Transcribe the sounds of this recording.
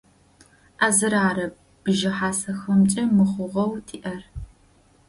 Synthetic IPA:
ʔaːzɨɾaːɾɐb | b̥ʒɪħaːsɐxɐmt͡ʃʼɐmɨχʷʊʁɐwtʰiːʔɐr

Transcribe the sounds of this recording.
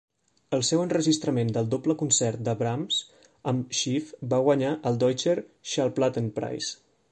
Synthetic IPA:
əlˠsɛwənrəʒist̪ɾəmend̪əlˠd̪opləkunsɛrt̪̚d̪əβɾamz | əmʃifbaɣwəɲaʔəlˠd̪ɔjt͡ʃəɾʃalplat̪ənpɾa̰js

